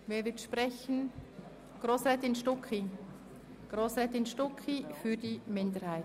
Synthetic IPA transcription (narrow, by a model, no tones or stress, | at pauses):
veːvɪtʃpʁɛçən̩ | ɡ̥roːsʁɛːtɪnʃtʊki | ɡ̥ʁoːsʁɛːtɪnʃtʊkʰifydimɪndəɾhaɪ